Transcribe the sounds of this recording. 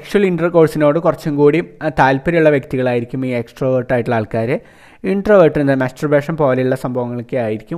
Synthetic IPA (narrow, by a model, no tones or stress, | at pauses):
ekʂuɐliɳɖrɐrko̞ːɻsino̞ːɽɨkurɐt͡ɕːumkuːɽit̪aːlpɐɾɐjuɭːɐʋjɐk̚t̪iɣɐɭaːjiɾikʲːumiːeksʈrɐʋɐrʈːaːjiʈːiɭaːɭkaːɾe | iɳɖrɐʋɐrʈːunːɨmaːstɐrbeːʂɐmpo̞ːlɐjuɭːɐsɐmbʱɐʋɐŋːɐɭkːɨaːjiɾikʲːum